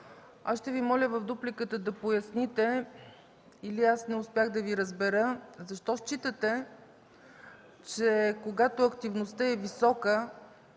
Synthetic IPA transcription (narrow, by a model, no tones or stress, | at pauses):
asʃt̪ɛvimɔlʲəvɐfd̪uplikət̪əd̪ɐpojɐsnit̪ɛ | iliasnɛʊspʲjaxd̪ɐviɾəzbɛɾəzɐʃt̪ɔʃt͡ʃit̪ət̪ɛ | t͡ʃɛkoɡat̪oɐkt̪ivnost̪əɛvisɔkə